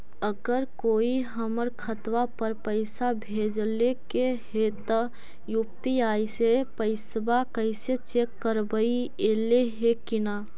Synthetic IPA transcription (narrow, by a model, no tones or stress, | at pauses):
əɡəɾkoːiɦəməɾkʰət̪wapəɾpəɪsabʱeːd͡ʒlekehet̪ə | juk̚t̪iaːisepəɪsbakəɪset͡ʃekːəɾbəi | eleɦekina